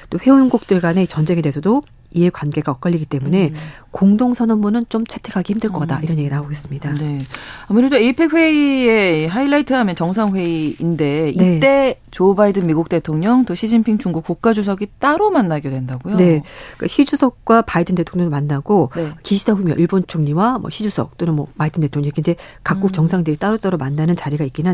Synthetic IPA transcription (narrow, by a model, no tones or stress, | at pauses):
t͈oɸwe̞onɡuk̚t͈ɯɭɡwaneit͡ɕʌnd͡ʑe̞ŋe̞de̞esʰʌdo | iekwanɡe̞ɡaʌk͈ʌʎːiɡit͈e̞mune̞ | koŋdoŋsʰʌnʌmmunɯnt͡ɕomt͡ɕʰetʰe̞kʰaɡeçʰimdɯɭk͈ʌkataiɾʌnjeɡinaoɡe̞s͈ɯmɲidane̞amuɾedoipʰe̞kɸwe̞ie̞iɦailaitʰɯɦamjʌnt͡ɕʌŋs̬ʰaŋɸwe̞iinde̞iet͈e̞ | t͡ɕobaidɯnmiɡuk̚t͈e̞tʰoŋɲʌŋt͈oɕʰid͡ʑinpʰiŋt͡ɕuŋɡuk͈uk̚k͈ad͡ʑus̬ʰʌɡit͈aɾomanːaɡedwe̞ndaɡojone̞k͈aɕʰid͡ʑusʰʌk̚k͈wapaidɯnde̞tʰoŋɲʌŋmanːaɡonkiɕʰidaɸumjʌʔiɭbont͡ɕʰoŋɲiwamwʌ̰ɕʰid͡ʑusʰʌk̚t͈onɯnmwʌmaidʰɯnde̞tʰoŋɲʌŋikind͡ʑe̞kak̚k͈ukt͡ɕ͈ʌŋsʰaŋdɯɾit͈aɾot͈aɾomanːanɯnt͡ɕaɾiɡaik͈ina